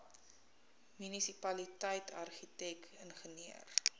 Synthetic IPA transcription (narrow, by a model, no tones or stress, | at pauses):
mynisipɐlitəjtʰɐ̰rχitɛkənχəniə̰r